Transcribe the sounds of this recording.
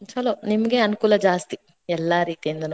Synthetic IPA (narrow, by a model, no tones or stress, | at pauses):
t͡ʃɐloːnimɐɡeɐnukuːlɐd͡ʒaːst̪i | ɛlːaːɾiːt̪ijɐnd̪unɐ